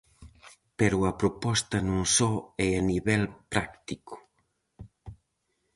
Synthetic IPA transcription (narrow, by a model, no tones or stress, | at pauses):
peɾuɐpɾupɔst̪ɐnũnsɔɛeniβɛlpɾakt̪iku̥